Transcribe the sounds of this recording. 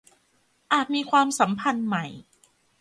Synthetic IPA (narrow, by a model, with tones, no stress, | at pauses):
ʔaː˨˩t̪̚miː˧kʰwaː˧msa˩˦mpʰa˧nma˦˩j